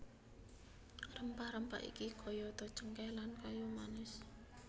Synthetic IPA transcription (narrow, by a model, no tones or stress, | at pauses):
rəmpahɾəmpa̰ʔḭkikʰɔjɔt̪ɔ̥t͡ʃəŋkɛlankajɔmanɪs